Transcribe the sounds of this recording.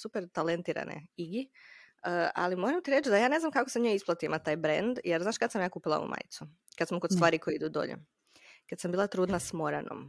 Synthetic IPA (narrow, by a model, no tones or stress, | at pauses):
supeɾt̪alent̪iːɾa̰nʔḛiɡi | əa̰limoːɾamt̪iɾe̞t͡ʃd̪ajaːne̞znamkakosemɲojisplˠat̪iimat̪aːjbɾḛnd̪jeɾznaːʃkad̪samjaːkuːpilˠao̰ṵma̰ːjt̪su | kad̪smokod̪st̪ʋaːɾikojiid̪uːd̪o̞̰ʎḛ | kad̪sambiːlˠat̪ɾuːd̪nasmo̞ɾano̰m